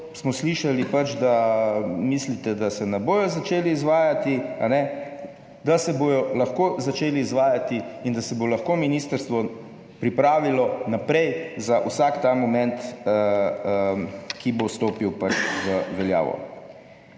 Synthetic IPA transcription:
smɔsliʃalipat͡ʃd̪a | mislit̪ɛd̪asɛnɛboːjɔzat͡ʃeːliːzʋaːjat̪ia̰nɛ | d̪asɛbojɔlaxkozat͡ʃeːliːzʋaːjat̪iind̪asɛbolɐxkominiːst̪əɾst̪ʋɔ | pɾipɾaːʋilɔnapɾɛjzaʔusakt̪amɔmɛ̃nt̪ | əkibost̪oːpiwpat͡ʃzəʋɛlja̰ːʋɔ̰

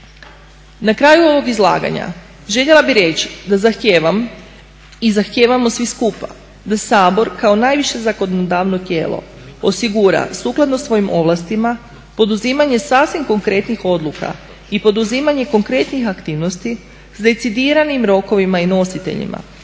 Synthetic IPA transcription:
nakɾaːjuo̞ʋo̞ɡizlˠa̰ːɡa̰ɲa̰ | ʒe̞ʎe̞lˠabiɾe̞t͡ʃd̪azaxt̪jeːʋam | izaxt̪jeːʋamo̞sʋiskupa̰ | d̪asaːbo̞ɾkao̞najʋiʃe̞zako̞dnod̪aːʋno̞t̪je̞ːlˠo̞̰ | osiɡuɾa̰suːklˠad̪no̞sʋo̞jimʔo̞ʋlˠast̪ima | po̞d̪uzimaɲe̞saːsʋimko̞ŋkɾe̞t̪nixo̞d̪luka̰ | ipo̞d̪uziːmaɲe̞ko̞ŋkɾe̞t̪nixakt̪iːʋno̞st̪i | z̥d̪e̞t̪sid̪iɾanimɾo̞ko̞ʋimaino̞sit̪e̞̰ʎḭma̰

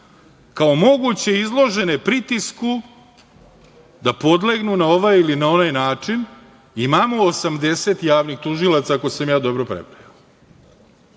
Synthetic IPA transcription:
kao̞mo̞ɡut͡ɕe̞izlˠo̞ʒe̞nepɾit̪isku | d̪apo̞d̪leɡnunao̞ʋajilinao̞najnaːt͡ʂin | imamoːsamd̪e̞set̪jaːʋnixt̪uʒilˠat̪sako̞jsamjaːd̪o̞bɾopɾepɾaja

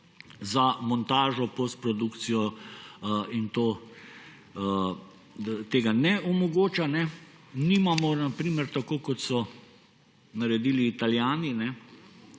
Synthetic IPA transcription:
zamɔnt̪aːʒɔpost̪pɾɔd̪ukt̪sijɔ | int̪oː | t̪eːɡanɛʔɔmɔɡoːt͡ʃanɛ | nimamɔnapɾiːməɾt̪akoːkɔt̪sɔ | naɾɛd̪iːliːt̪aljaːninɛ

